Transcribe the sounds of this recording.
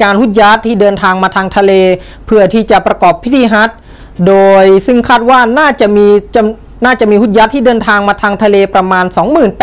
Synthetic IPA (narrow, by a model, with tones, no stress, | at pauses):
kaː˧nhu˦˥˩t̪̚ja˦˥t̪ʰːiː˥˩dɤː˧nt̪ʰaː˧ŋmaː˧t̪ʰaː˧ŋt̪ʰa˧leː˧ | pʰɯ˥˩ɐt̪ʰiː˥˩t͡ɕa˨˩pɾa˧kɔː˨˩pʰːi˦˥t̪ʰiː˧ɦa˦˥t̪̚ | doː˧jsɯ˥˩ŋkʰaː˥˩t̪̚waː˥˩naː˥˩t͡ɕa˨˩ʔmiː˧t͡ɕa˧˩ | naː˥˩t͡ɕa˨˩ʔmiː˧hu˥t̪̚ja˦˥t̪ʰːiː˥˩dɤː˧nt̪ʰaː˧ŋmaː˧t̪ʰaː˧ŋt̪ʰa˧leː˧pɾa˧maː˧nsɔː˩˦ŋmɯː˨˩npː